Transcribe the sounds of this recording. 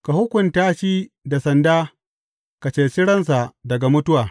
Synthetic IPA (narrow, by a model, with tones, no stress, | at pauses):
ka˨hʊ˦kʷʊ˨ntaː˦ʃiː˦ | da˨sɐ˨ndaː˦ | ka˨t͡ʃeː˦sɪ˦ɽɐ˦ns̬a˨dɐ˨ɡa˨mʊ˦tʊ˦waː˨